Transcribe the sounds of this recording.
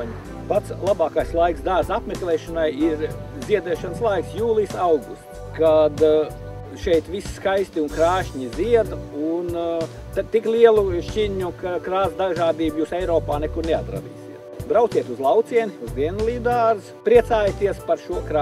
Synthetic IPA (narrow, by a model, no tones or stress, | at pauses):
ɲ | pat̪slˠabɑːkajslˠajksd̪aːɾzapmeklˠɛːʃɔnajiɾziɛd̪ɛːʃanslˠajksjuːlˠijsawɡust̪ | kad̪ | ʃɛjt̪ʋisskajst̪iunkɾaːʃɲiziɛd̪un | t̪at̪iklʲiɛlˠuʃcʲiɲukakɾaːzd̪aʒaːd̪iːbjuːsɛjɾɔːpaːnɛkuɾneat̪ɾa̰d̪ḭːsiɛt̪bɾawt̪siɛt̪uzlˠawt̪siɛniuzd̪iɛnlˠiːd̪aːɾzpɾiɛt̪saːjt̪iɛspaɾʃuɔkː